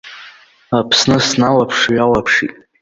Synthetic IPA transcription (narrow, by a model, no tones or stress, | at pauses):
apʰsnɨsnalapʰʂɥalapʰʂitʼ